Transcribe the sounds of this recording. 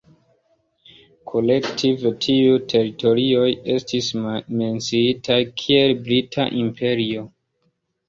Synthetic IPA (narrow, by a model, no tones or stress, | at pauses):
kʰo̞le̞ktʰivtʰiutʰe̞ɾito̞ɾio̞je̞stisme̞nt͡siitʰajkʰie̞lbɾitʰa̰ʔimpʰe̞ɾio̞